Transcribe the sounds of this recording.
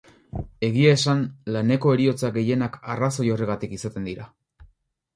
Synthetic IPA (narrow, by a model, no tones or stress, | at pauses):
e̞ɣ̞iae̞sanlane̞ko̞e̞ɾio̞t͡saɡe̞je̞nakaraso̞jo̞reɣ̞at̪ikisat̪e̞nd̪iɾa